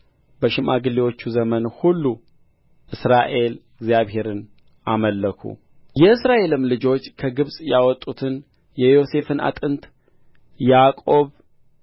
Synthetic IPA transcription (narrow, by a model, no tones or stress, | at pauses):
bəʃɪmaɡɨlːewo̞t͡ʃːuzəmənhulːu | ʔɨsɾaʔe̞lɨɡzjaβhe̞ɾɨn | ʔaməlːəkʰṵ | jɛɨsɾaʔe̞lɨmlɨd͡ʒo̞t͡ʃːkʰəɡɨβsʼjawɔt̪ʼːut̪ʰɨn | jɛjo̞se̞fɨna̰t̪ʼɨnt̪ʼ | jakʼo̞β